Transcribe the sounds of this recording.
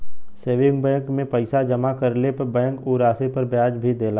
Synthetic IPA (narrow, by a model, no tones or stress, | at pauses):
seːʋɪ̃ŋɡ̚bɛ̃ːŋkmẽpəɪsad͡ʒɐmakɐɾlepɐɾbɛ̃ːŋkoːɾaːsepɐɾbjaːd͡ʒbʱid̪eːlaː